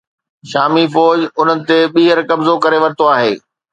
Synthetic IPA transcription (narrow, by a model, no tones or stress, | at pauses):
ʃaːmifɔːd͡ʑʊn̤ənɪ̆t̪eɓiːɦəɾkɐbzokɐɾeʋɐɾɪt̪oaːɦeː